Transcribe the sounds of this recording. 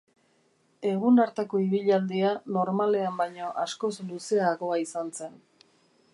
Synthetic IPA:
e̞ɣ̞unaɾt̪eko̞iβ̞iʎald̪iano̞ɾmale̞ambajɲo̞ʔasko̞sluse̞aɣo̞aisanse̞n

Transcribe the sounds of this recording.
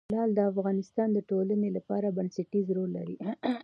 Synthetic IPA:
lɑld̪əafɣɑnɪst̪ɑnd̪əʈolanelapɑɾabansaʈizɾolːa̰ɾi

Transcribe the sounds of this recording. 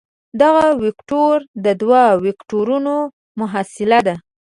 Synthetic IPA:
d̪aɣawɪkʈoɾd̪əd̪wawɪkʈoɾuno | mʊɦasɪlad̪a

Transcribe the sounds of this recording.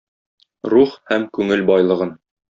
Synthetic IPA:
ɾuχhæmkʉŋɘlbɒjlˠɤ̆ʁɤn

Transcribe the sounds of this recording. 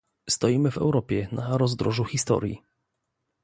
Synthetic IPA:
st̪ɔjimɘvɛ̰wɾɔpʲjɛnʔaɾɔzd̪ɾɔʐuxʲist̪ɔ̰ɾʲjḭ

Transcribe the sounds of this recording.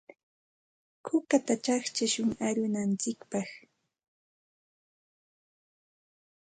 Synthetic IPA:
kʰʊkat̪at͡ʃaχt͡ʃaʃʊŋaɾʊnant͡sɪkpɑχ

